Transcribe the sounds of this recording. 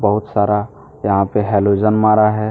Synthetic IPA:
bəɦʊt̪saːɾa | jɐɦãpeɦɛlod͡ʒənmaːɾaɦɛ

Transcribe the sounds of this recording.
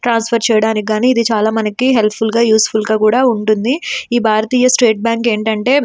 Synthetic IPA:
ʈɾaːnspʰɐɾt͡ʃɛːjɐɽaːnikiɡaːniːd̪it͡ʃaːlaːmɐnɐkiɦe̞lpʰulɡaːjuːspʰulɡaːkuːɽaːuɳʈund̪iiːbʱaːɾɐt̪iːjɐsʈe̞ːʈ̚bjaːŋke̞ːɳʈɐɳʈe̞ː

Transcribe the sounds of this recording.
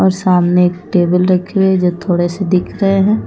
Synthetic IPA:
ɔːɾsaːmneeːkʈeːbəlɾɐkʰewed͡ʒoːt̪ʰoːɽesed̪ɪkʰɾɐɦeɦɛ̃ː

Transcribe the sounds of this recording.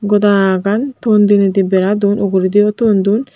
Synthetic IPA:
ɡɔd̪aɡant̪ɔnd̪ined̪ibɛɾad̪unɔɡuɾid̪iɔt̪ɔnd̪un

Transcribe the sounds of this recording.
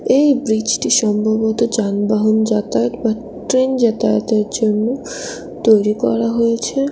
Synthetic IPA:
ejbɾid͡ʑʈiʃɔmbʱobot̪od͡ʑanbaɦond͡ʑat̪ajt̪ba | ʈɾend͡ʑat̪ajt̪eɾd͡ʑonːo | t̪ojɾikɔ̰ɾaɦojet͡ɕʰe

